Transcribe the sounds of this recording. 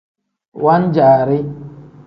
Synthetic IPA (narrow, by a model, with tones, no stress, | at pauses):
wa˦n˦d͡ʒaː˨ɾɪ˦